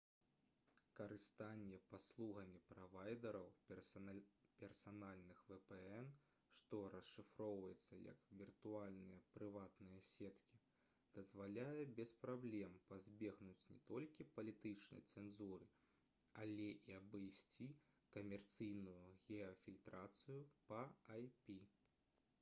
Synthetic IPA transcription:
kɐɾɨst̪anʲːɛpaslˠuɣɐmʲipɾavajd̪ɛɾɐw | pʲɛrsanalʲnɨxvɛpɛɛn | ʂt̪ɔɾɐsʂɨfɾɔwvɐjɛt̪sːɐjɐ̰kvʲirt̪ualʲnɨjɐpɾɨvat̪nɨjɐsʲɛt̪kʲi | d̪̥ɐzvalʲajɛbʲɛspɾablʲɛmpazʲbʲɛɣnut͡sʲnʲɛ̰t̪ɔlʲkʲipɐlʲit̪ɨt͡ʂnɐ̰jt̪sɛnzuɾɨ | ɐlʲɛʔiɐbɨjsʲt͡sʲi | kɐmʲɛrt̪sɨjnujuɣʲɛɐfʲilʲt̪ɾat̪sɨjupɐajpʲi

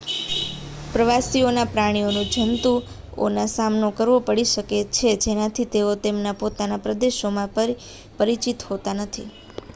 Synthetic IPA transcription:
pɾəʋasionapɾaɽ̃ionũd͡ʒənt̪u | o̰nasamnokəɾʋopəɽiʃəket͡ʃʰed͡ʒenat̪ʰit̪eot̪emnapot̪anapɾəd̪eʃomãpəɾ | pəɾit͡ʃit̪ɦot̪anət̪ʰḭ

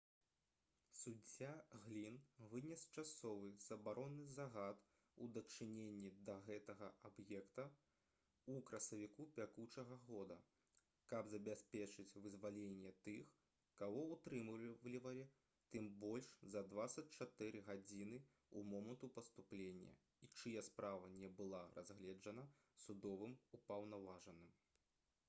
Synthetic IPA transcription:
sud͡zʲːaɣlʲinvɨnʲɛst͡ʂasɔvɨz̥ɐbaɾɔnːɨzaɣat̪ | ud̪ɐt͡ʂɨnʲenʲːid̪ɐɣɛt̪ɐɣɐabjɛkt̪ɐ | ukɾɐsɐvʲikupʲakut͡ʂɐɣɐɣɔd̪ɐ | kɐbzɐbʲasʲpʲɛt͡ʂɨt͡sʲvɨzvalʲenʲːɛt̪ɨx | kaɣɔut̪ɾɨmlʲivɐlʲi | t̪ɨmbɔlʲʂzɐd̪vat̪sɐt͡sʲt͡ʂat̪ɨɾɨɣad͡zʲin̪ɨ | umɔmɐnt̪upɐst̪uplʲenʲːɐ̰ | it͡ʂɨjɛspɾʔavɐnʲɛbɨlˠaɾʔa̰zɣlʲɛd͡ʐɐnɐ | sud̪ɔvɨmupɐwnavaʐɐnɨm

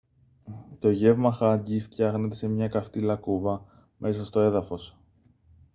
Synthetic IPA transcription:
t̪o̞ʝe̞vmɐxɐɟift̪çɐɣne̞t̪̬e̞se̞mɲɐkɐft̪ilɐkuvɐ | mʔe̞s̬ɐst̪o̞e̞ðɐfo̞s

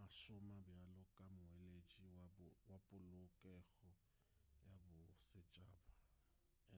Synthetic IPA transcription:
aʃʊmabjalʊkʼamʊelet͡ʃʼiwawapʼʊlʊkʼɛɣɔ | jabʊsɪt͡ʃʼaːba

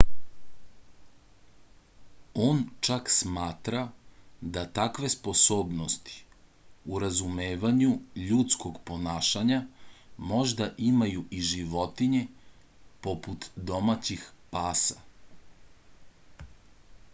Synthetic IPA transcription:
o̞ːnt͡ʃaksmaːt̪ɾad̪at̪akʋe̞spo̞so̞ːbnost̪i̥ | uɾazumeːʋaɲuʎut̪sko̞ɡpo̞naːʃaɲamo̞ʒd̪aʔimajuʔiʒiʋo̞t̪iɲe̞ | po̞put̪d̪o̞mat͡ɕixpaːsa

